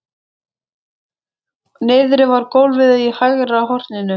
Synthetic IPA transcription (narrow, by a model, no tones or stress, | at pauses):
nɪːðɾɪvaɾkowlvɪðaihajɣɾaɦɔr̥t̪nɪnːʏ